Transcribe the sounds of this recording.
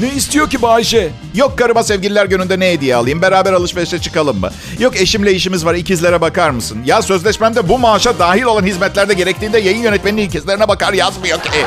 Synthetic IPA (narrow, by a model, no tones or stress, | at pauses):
neist̪ʰijo̞cibaːiʃɛ | jo̞kːaɾɯmasɛvɟilʲilʲæɾɟønynd̪ɛnejed̪ijɛa̰lˠɯjɯmbe̞ɾaːbæɾalˠɯʃveʃɛt͡ʃʰɯ̥kalˠɯmːɯ̰ | jo̞ke̞ʃimlʲejiʃimizvaɾicizlʲeɾɛbakaɾmɯsɯnjasø̞zlʲɛʃmæmd̪ɛbumaːʃad̪aːɦilʲo̞lˠanɦizmɛt̪lʲæɾd̪ɛɟe̞ɾɛc̚t̪ʰiːnd̪ɛjajɯnjø̞nɛt̪̚meninylʲcʲʰɛzlʲe̞ɾinɛbakaɾjazmɯjocʰe